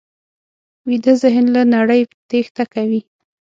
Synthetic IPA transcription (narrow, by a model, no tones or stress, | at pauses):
wid̪əzɪɦnlanaɽəjt̪ext̪akawi